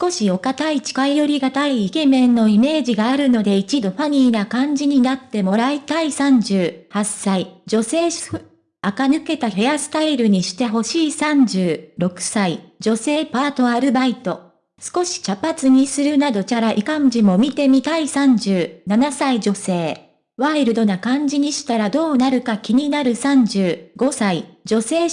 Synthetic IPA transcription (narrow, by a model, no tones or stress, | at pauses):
sɨ̥ko̞ɕio̞kat̪ait͡ɕi̥kaijo̞ɾʲiɡat̪aiːke̞mẽ̞nːo̞ime̞ːʑiɡaːɾɯ̟no̞d̪e̞it͡ɕid̪o̞ɸaɲ̟iːnakãɲ̟d͡ʑiɲ̟inat̪ːe̞mo̞ɾait̪aisãɲ̟d͡ʑɨːhasːaid͡ʑo̞se̞ːɕ | akanɯ̟ke̞t̪ahe̞asɨ̥t̪aiɾɯ̟ɲ̟iɕi̥t̪e̞ɦo̞ɕiːsãɲ̟d͡ʑɨːɾo̞kɯ̟̥said͡ʑo̞se̞ːpaːt̪o̞aɾɯ̟bait̪o̞ | sɨ̥ko̞ɕi̥t͡ɕapat͡sɨɲ̟isɨɾɯ̟nad̪o̞t͡ɕaɾaʔikãɲ̟d͡ʑimo̞mʲit̪e̞mʲit̪aisãɲ̟d͡ʑɨːnanasaid͡ʑo̞se̞ː | βaiɾɯ̟d̪o̞nakãɲ̟d͡ʑiɲ̟iɕi̥t̪aɾad̪o̞ːnaɾɯ̟kakʲiɲ̟inaɾɯ̟sãɲ̟d͡ʑɨːɡ̥o̞said͡ʑo̞se̞ː